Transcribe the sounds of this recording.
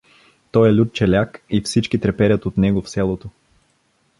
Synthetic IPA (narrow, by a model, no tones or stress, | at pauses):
t̪ɔjɛlʲut̪̚t͡ʃɛlʲakifsit͡ʃk̟it̪ɾɛpɛɾʲət̪ot̪nɛɡofsɛlˠot̪o